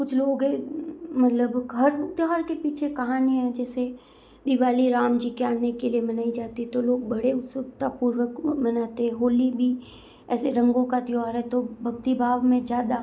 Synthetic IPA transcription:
kʊt͡ʃʰloːɡɦɛ̃mɐt̪ləbʱɐɾʊk̚t̪ɦaːɾkepiːt͡ʃʰekɐɦaːniɦɛ̃d͡ʒɛːse | d̪ɪʋaːliɾaːmd͡ʒiːkeaːnekeliemɐnaːid͡ʒaːt̪iɦɛ̃t̪oloːɡ̚bɐɽeʊsʊkt̪apuːɾwəkmɐnaːt̪eɦɛ̃ɦoːlibʱi | ɛːseɾɐ̃ŋɡõkat̪ɪɔːɾɦɛt̪obʱɐɡt̪ibʱaːʋmẽzjaːd̪a

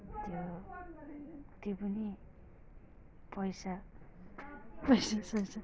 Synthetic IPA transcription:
t̪jo | t̪jopʌni | pʌjsa | pʌjsasʌjt͡sʰʌ

